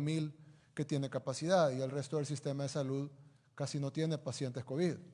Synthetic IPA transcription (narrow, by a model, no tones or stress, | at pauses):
milke̞t̪je̞ne̞kapasiðaðie̞lre̞st̪o̞ðe̞ls̬ist̪e̞maðesaluð | kasino̞t̪jene̞pasje̞nt̪e̞sko̞βið